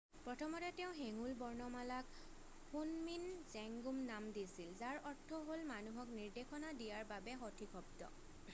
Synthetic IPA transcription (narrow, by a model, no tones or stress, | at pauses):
pɹɔtʰɔmɔtɛtɛʊ̃ɦeŋulbɔɹnɔmalak | hunminzɛŋɡumnamdisilzaɹɔɹtʰːɔɦolmanuɦɔkniɹdexɔnadijaɹbabɛxotʰikʰɔb̚tɔ̰